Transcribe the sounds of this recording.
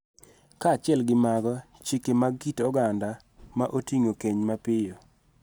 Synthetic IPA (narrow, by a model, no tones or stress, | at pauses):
kat͡ʃɪɛlɡɪmaɡɔ | t͡ʃikemaɡitɔɡanda | maʔotiŋokeɲmapɪjo